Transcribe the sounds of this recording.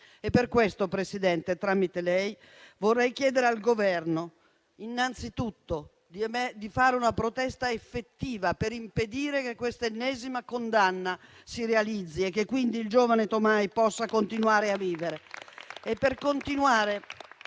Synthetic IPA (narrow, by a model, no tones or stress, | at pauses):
epːerkwest̪opɾesid̪ɛnt̪et̪ɾamːit̪elɛj | vorːɛjk̟jɛːd̪eɾealɡovɛrno | inːant̪sit̪ut̪ːo | d̪id̪ifaːɾeunapɾot̪ɛst̪aefːet̪ːiːvapeɾimped̪iːɾekekːwest̪enːɛːzimakond̪anːa | siɾealid̪zːiekːekːwind̪iːld͡ʒoːvanet̪omajpɔsːakont̪inwaːɾeavːiːveɾeepːerkont̪inuaːɾe